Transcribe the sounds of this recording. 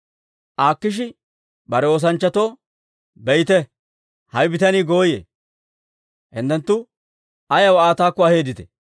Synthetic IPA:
ʔaːkːɪʃ̬ɪ | bɐɾɛo̞ːs̬ɐnt͡ʃːɐt̪o̞ː | bɛjt̪ɛ | hɐjbɪt̪ɐniːɡo̞ːjḛː | hɪ̰nt̪ːɛnt̪ːʊ | ɐjɐwaːt̪aːkːɔɐhe̞ːd̪ɪt̪ɛ̥̰

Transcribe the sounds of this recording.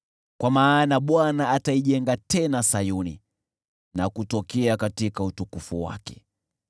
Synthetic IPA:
kwamaːnaɓwanaːtaiʄɛŋɡatɛnasajunḭ | nakutɔkɛakatikautukufuwa̰kɛ̥

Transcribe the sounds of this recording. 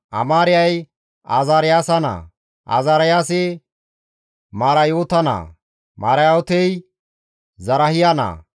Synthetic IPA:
ʔɐ̰maːɾɪjɐj | a̰zaːɾɪjaːsɐna̰ | ʔa̰ːzaːɾɐjaːsɪ | maːɾɐjoːt̪ɐna̰ | maːɾɐjot̪ɛj | zɐɾɐhɪjanɐ̰ː

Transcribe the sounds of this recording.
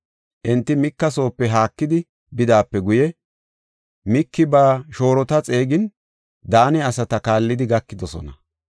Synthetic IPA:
ʔɛnt̪ːɪmɪkːɐso̞ːpːɛɦaːkːɪd̪ɪ | bɪd̪aːpːɛɡʊjɛ | mɪkːɪbaːʃo̞ːɾɔt̪ɐt͡sʼe̞ːɡɪn | d̪aːnɛɐsɐt̪ɐkaːlːɪd̪ɪɡɐkːɪd̪ɔsɔ̰nɐ̰

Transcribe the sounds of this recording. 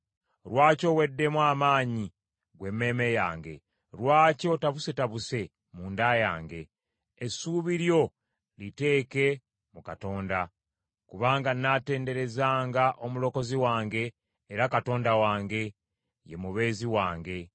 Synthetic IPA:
ɾwaːco̞we̞dːe̞mwaːmaːɲi | ɡwe̞mːe̞me̞jaːŋɡe̞̰ | ɾwaːco̞taβuse̞taβuse̞ | muːndaja̰ːŋɡe̞ː | suβiɾjo̞ | lite̞ːke̞ | mukato̞ːnda | kuβaːŋɡanːate̞ːnde̞ɾe̞zaːŋɡaʔomulo̞ko̞ziwaːŋɡe̞ː | ɾakato̞ːndawaːŋɡe̞ | je̞muβe̞ːziwaːŋɡe̞

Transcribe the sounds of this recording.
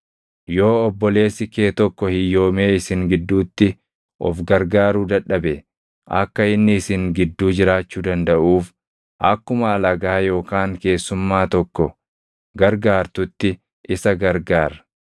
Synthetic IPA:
jo̞ːɔbːɔle̞ːsɪkeːt̪ɔkːɔhɪjːo̞ːme̞ːɪsɪŋɡɪd̪ːuːt̪ːɪ | ʔɔ̰fɡɐɾɡaːɾuːd̪ɐᶑːɐbɛ | ʔɐ̰kːɐɪnːɪɪsɪŋɡɪd̪ːuːd͡ʒɪɾaːt͡ʃːuːd̪ɐnd̪ɐʔuːf | ʔɐkːʊmɐːlɐɡaːjo̞ːkaːŋke̞ːsːʊmːaːt̪ɔkːɔ | ɡɐɾɡaːɾt̪ʊt̪ːɪ | ʔɪsɐɡɐɾɡaːɾɐ

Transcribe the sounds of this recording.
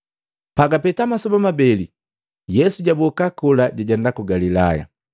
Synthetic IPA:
paɡapɛtamasɔbamabɛli | jɛsuɟabɔkakɔlaɟaɟɛndakuɡalila̰ja̰

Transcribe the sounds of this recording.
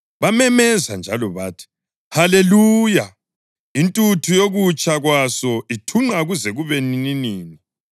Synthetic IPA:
βamɛmɛza̰nd͡ʒʱalɔβaːtʰi̥ | haleluːja | intʼutʰujoɣut͡ʃʼaɣwasɔitʰuŋ͡ǃaɣuzɛɣuβenininiːni

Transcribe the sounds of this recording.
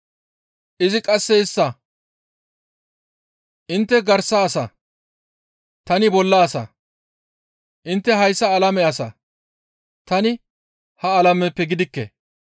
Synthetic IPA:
ʔɪzɪkʼɐsːɛɪsːɐ | ʔɪnt̪ːɛɡɐɾsɐːsɐ | t̪ɐnɪbɔlːɐːsɐ̰ | ʔɪnt̪ːɛɦɐjsːɐːlɐmɛɐsɐ̰ | t̪ɐnɪ | hɐːlɐmɛpːɛɡɪd̪ɪkːɛ̰

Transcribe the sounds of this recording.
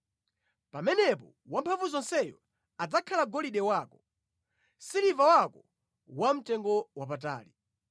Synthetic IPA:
pamɛnɛpɔ | wampʰavuzɔnsɛjɔ | ad͡zakʰalaɡɔliɗɛwaːkɔ | silivawakɔ | wam̩tɛŋɡɔwap̬at̬a̰ːli

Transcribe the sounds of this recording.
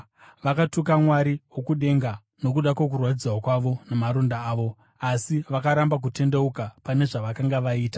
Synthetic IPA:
ʋakatukamwaɾiwokuɗe̞ŋɡa | no̞kuɗakwok̬urwatid͡zwakwaʋo̞namaɾondaːʋo̞ | asiʋakaɾambak̬ute̞nde̞ukapane̞ʐaʋakaŋɡaʋaiːta

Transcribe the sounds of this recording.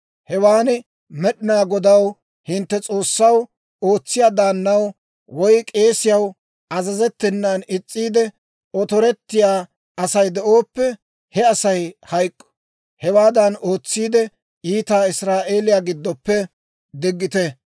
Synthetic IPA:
hɛwaːnɪ | mɛɗɪnaːɡɔd̪ɐw | hɪnt̪ːɛt͡sʼo̞ːsːɐw | o̞ːt͡sːɪjaːd̪aːnːɐw | wɔjkʼe̞ːsɪjɐw | ɐzɐzɛt̪ːɪnːanɪt͡sʼːiːd̪ɛ | ɔt̪ɔɾɛt̪ːɪjaː | ɐsɐjd̪ɛʔo̞ːpːɛ | hɛɐsɐjhɐjkʼːɔ̥ | hɛwaːd̪ɐnoːt͡sːiːd̪ɛ | iːt̪aːɪsɾaːʔe̞ːlɪjaːɡɪd̪ːɔpːɛ | d̪ɪɡːɪt̪ɛ

